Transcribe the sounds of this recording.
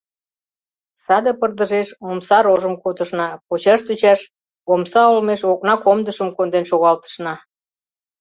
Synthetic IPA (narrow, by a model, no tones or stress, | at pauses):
sɑd̪epərd̪əʒeʃomsɑɾoʒəmkot̪əʃnɑpot͡ɕɑʃt̪ut͡ɕɑʃ | omsɑolmeʃok̚nɑkomd̪əʃəmkond̪enʃoɣɑlt̪ə̥ʃnɑ